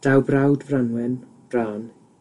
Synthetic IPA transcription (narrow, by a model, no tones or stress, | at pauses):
d̥awbrawdvranwɛn | b̥raːn